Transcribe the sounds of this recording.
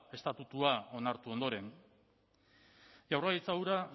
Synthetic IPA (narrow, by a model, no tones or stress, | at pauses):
e̞st̪at̪ut̪uao̞naɾt̪uo̞nd̪o̞ɾe̞n | ʝawraɣit͡sawɾa